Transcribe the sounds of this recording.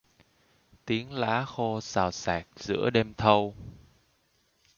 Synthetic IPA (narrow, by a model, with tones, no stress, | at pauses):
t̪i˨˦əŋla̰ː˧˥xo˧saː˨˩wsaː˨˩k̚zɨ̰˧˥əɗe˧mt̪ʰə˧w